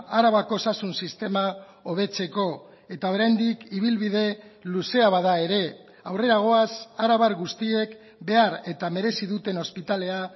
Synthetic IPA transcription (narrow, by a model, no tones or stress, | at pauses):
aɾaβako̞sasunsist̪e̞ma | o̞β̞e̞t͡se̞ko̞ | e̞t̪ao̞ɾajnd̪ikiβ̞ilβið̞e̞luse̞aβaðae̞ɾe̞ | awre̞ɾaɣ̞o̞asaɾaβaɾɣust̪ie̞k | be̞aɾe̞t̪ame̞ɾe̞siðut̪e̞no̞spit̪ale̞a